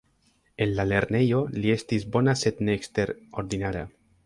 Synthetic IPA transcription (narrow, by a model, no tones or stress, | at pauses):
enlaleɾnejoliest̪izbonaset̪nekst̪eɾoɾðinaɾa̰